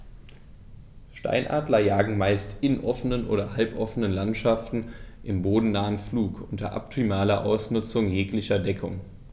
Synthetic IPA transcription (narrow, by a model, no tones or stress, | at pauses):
ʃta̰ɪnʔa̰ːdlɐjaːɡŋ̩maɪstɪnʔɔfənənʔo̰ːɾɐhalpʔɔfənənlantʃaftn̩ʔɪmboːdn̩naːənfluːkʔʊntɐ̰ʔa̰p̚tʰimaːlɐʔa̰ʊsnʊt͡sʊŋjeːklɪçɐdɛkʰʊ̰ŋ